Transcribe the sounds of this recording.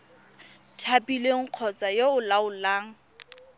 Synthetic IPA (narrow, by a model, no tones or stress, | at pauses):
tʰapʼileŋ̩q͡χʰɔt͡sʼajoʊlaʊlaːŋ̩